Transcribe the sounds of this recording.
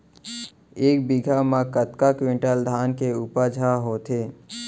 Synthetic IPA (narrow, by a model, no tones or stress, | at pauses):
eːk̚biɡʱamãkət̪kakwẽɳʈəld̪ʱaːnkeuːpəd͡ʒʱaɦoːt̪ʰeː